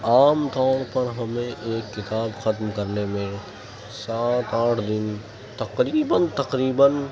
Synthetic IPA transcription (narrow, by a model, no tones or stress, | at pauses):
aːmt̪aːɽ̃pɐɾɦɐmẽʔeːkːɪt̪aːbxɐt̪mkɐɾnemẽ | saːt̪aːʈʰd̪ɪn | t̪ɐqɾiːbənt̪ɐqɾiːbən